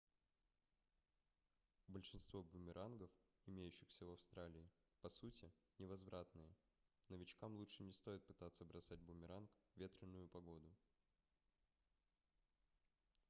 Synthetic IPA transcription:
bəlʲʂɨnst̪vo̞bʊmʲɪɾʔanɡəfɪmʲejʉɕːɪxsʲəvɐfst̪ɾalʲɪː | pɐsutʲɪnʲɪvɐzvɾʔat̪nɨjə | nəvʲɪt͡ɕkamlˠuʂɨnʲɪst̪o̞jɪt̪̚pɨ̥t̪at̪səbɾʔɐsad̚ʲbʊmʲɪɾʔankvʲe̞t̪ɾʲɪnːʊjʊpɐɡo̞d̪ʊ

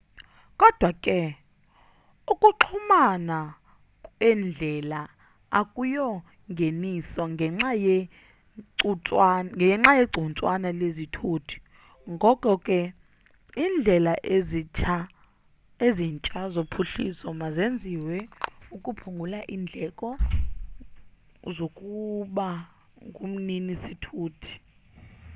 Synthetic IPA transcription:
kʼɔd̥ʱwakʼɛ | ukʼuǁʰumana | kʼɛnd͡ɮʱɛla | akʼujɔ | ŋɡʱenisɔŋʱɛŋ͡ǁaje | t͡sʼwanŋɡɛŋ͡ǁajeɡ͡ǀʱunt͡sʼwanalezitʰutʰu̥ | ŋɡʱɔkʼɔkʼɛ | iːnd͡ɮʱɛlaʔezia | eziːnt͡ʃʼazopʰuɬḭsɔmazend͡zʱiwɛukʼupʰuŋɡʱulaʔiːnd͡ɮʱɛkʼɔ | zokʼuɓa | ŋɡʱum̩ninisitʰuːtʰi̥

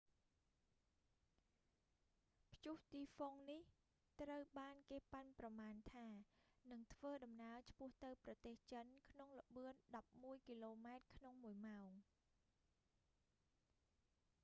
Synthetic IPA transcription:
pʰjuht̪iːfoŋnih | t̪rəwɓaːnkeːpanprɑmaːnt̪ʰaːnɨŋt̪ʰʋəːɗɑmnaət͡ɕʰpʊ̆əht̪ɨwprɑt̪eːht͡ɕənkʰnoŋlə̆ɓɨənɗɑp̚muəjkiloːmaɛt̪̚kʰnoŋmuəjmaɔŋ

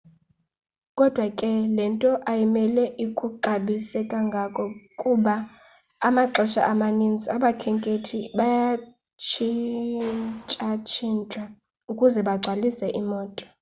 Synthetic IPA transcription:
kʼɔd̥ʱwakʼɛlɛntʼɔʔajimɛlɛʔikʼuǃaɓisɛkʼaŋɡʱakʼɔkʼuɓaː | maǁʱɛʃa̰ʔamanind͡zʱiaɓakʰɛŋkʼetʰiɓaja | t͡ʃʰi | t͡ʃʼat͡ʃʰint͡ʃʼa | ukʼuzɛɓaɡ͡ǀʱwalisɛʔimɔːtʼɔ̥

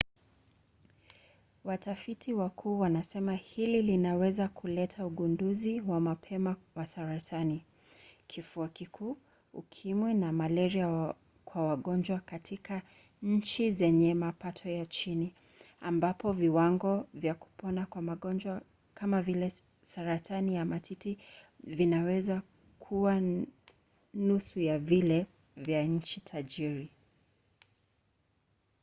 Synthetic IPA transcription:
watafitʰiwakʰuːwanasɛmahililinawɛzakʰulɛtʰauɠunduziwamapʰɛmawasaɾatʰani | kʰifuakikʰuː | ukʰimwɛnamalɛɾia | kwawaɠɔnd͡ʒwakatʰikʰa | ɲ̩t͡ʃizɛɲɛmapatʰɔjat͡ʃini | ambapɔviwaŋɡɔvjaku̥pɔnakwamaɠɔnd͡ʒwa | kamavilɛ | saɾatʰanijamatʰitivinawɛza | kʰuwa | nusujavilɛ | vjaɲ̩t͡ʃitʰad͡ʒiɾi

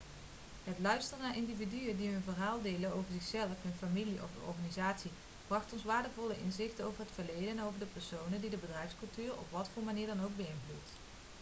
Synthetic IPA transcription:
ɦətlœɥstərnaːɹʔɪndividyədiɦɵnvərɦaːlˠdejlənowvəɹzɪxsɛlˠəfɦɵnfamiliʔɔ̰fnɔ̰ɹχaːnizaːtsi | b̥rɑχtɔnsʋaːɹdəvɔləʔɪnzɪχtəowvəɹɦətfəɹlejdənowvəɹdəpɛɹsownədidəbədrɛjfskɵlˠtyːɹɔ̰pʋɑtfʊːɹmaniːɹdɑnowɡ̚bəɪnvlṵt

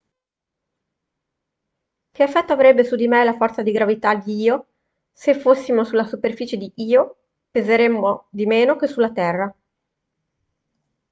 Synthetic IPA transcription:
keafːɛt̪ːoavɾɛbːesud̪imelafɔrt̪sad̪iɡɾavit̪ad̪iiːo | sefosːimosulːasuperfiːt͡ʃed̪iʔiːo | pezeɾemːod̪imeːnok̟esulːat̪ɛrːa

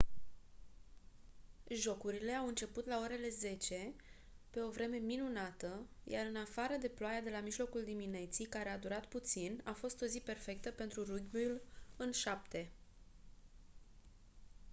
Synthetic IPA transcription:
ʒo̞kuɾile̞awɨnt͡ʃe̞put̪lao̞ɾe̞le̞ze̞t͡ʃe̞ | pe̞o̞vɾe̞me̞minunat̪əja̰ɾɨnafaɾəd̪e̞ploajad̪e̞lamiʒlo̞kuld̪imine̞t̪sijkaɾe̞ad̪uɾat̪put̪sinafo̞st̪o̞zipe̞rfe̞k̚t̪əpe̞nt̪ɾuruɡbuulɨnʃapt̪e̞

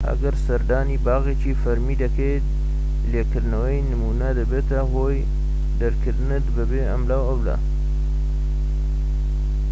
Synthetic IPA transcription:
ʔɐ̰ɡɐɾsɐɾd̪aːniːbaːɣet͡ʃiːfɐɾmiːd̪ɐkʰejt̪̚ | leːkɨɾd̪nɐwɐjnɨmuːnɐd̪ɐbeːt̪ɐɦoːj | d̪ɐɾkʰɨɾd̪ɨnɨt̪bɨbeːɐ̰mlaːwɐwla̰

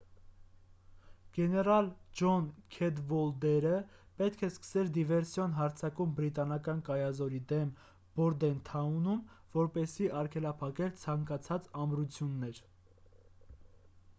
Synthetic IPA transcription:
ɡ̥ɛnɛɾɑld͡ʒɔnkʰɛd̪vɔld̪ɛɾəpɛt̪kʰɛskə̥sɛld̪ivɛɾsjɔnɦɑɾt͡sʰɑkumbɾit̪ɑnɑkɑnkɑjɑzɔɾid̪ɛm | b̥ɔɾd̪ɛnt̪ʰɑunum | vɔɾpɛsiʔɑɾkʰɛlɑpʰɑkɛlt͡sʰɑŋkɑt͡sʰɑt͡sɑmɾut͡sʰjunːɛɾ

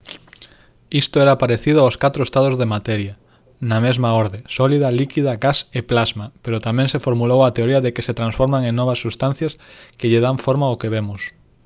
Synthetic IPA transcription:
ist̪oɛɾapaɾeθiðʊaoskat̪ɾoest̪að̞ozðemat̪ɛɾjɐ | nɐmezmaoɾðesɔliðɐlikiðɐɣaseplazmapeɾot̪amɛ̃ŋsefoɾmulowɐt̪eoɾiɐðekeset̪ɾãnsfoɾmaŋẽŋnɔβ̞ɐsːust̪an̟θjɐskeʎɪðaɱfoɾmaokeβemʊs

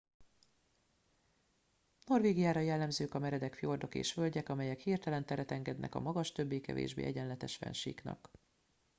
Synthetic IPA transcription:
no̞rveːɡijaːɾɒjɛlːɛmzøːkɒmɛɾɛd̪ɛkfjo̞rd̪o̞kḛːʃfø̞lɟɛkɒmɛjɛkhirt̪ɛlɛnt̪ɛɾɛt̪ɛŋɡɛd̪nɛ̰kɒ̰mɒɡɒʃt̪ø̞bːeːkɛ̰vḛːʒbḛːɛɟɛnlɛt̪ɛʃfɛ̰nʃḭːknɒ̰k

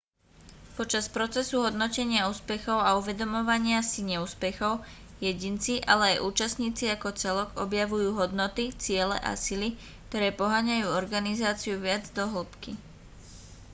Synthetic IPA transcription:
pɔt͡ʃaspɾɔt͡sɛsuɦɔd̪nɔcɛɲɪauːspɛxɔʊauʋɛd̪ɔmɔʋaɲɪasiɲɛuːspɛxɔʊ | jɛɟint͡siʔalɛajʔuːt͡ʃast̪ɲiːt͡siakɔt͡sɛlɔɡɔbjaʋujuːɦɔd̪nɔt̪it͡sɪɛlɛ̰ʔa̰sili | k̚t̪ɔɾɛːpɔɦaɲajuːɔɾɡanizaːt͡siuʋɪad͡zd̪ɔɦl̩pki

